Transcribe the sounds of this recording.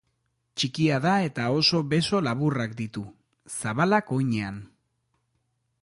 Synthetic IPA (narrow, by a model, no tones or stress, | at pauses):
t͡ʃikiaðae̞t̪ao̞so̞βe̞so̞laβ̞urakd̪it̪u | saβalako̞jɲe̞an